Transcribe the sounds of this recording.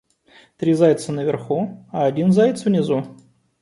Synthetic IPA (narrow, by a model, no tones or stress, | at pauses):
t̪ɾʲizajʲɪt̪sənəvʲɪrxuɐɐdʲinzajɪt̪svnʲɪzu